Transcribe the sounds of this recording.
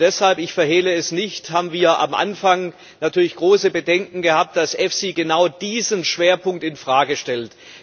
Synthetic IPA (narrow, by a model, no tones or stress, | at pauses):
d̥ɛshalpɪçfɛɐheːləɛsnɪçthaːbm̩viːɐʔa̰mʔa̰nfaŋ | natʰyːɐlɪçɡ̥ʁoːsəbədɛŋkŋ̩ɡəhaːp̚t̚d̥asʔɛfsiːɡənaʊd̥iːzənʃv̥eːɐpʰʊŋk̚tɪnfʁ̥aːɡəʃtɛlt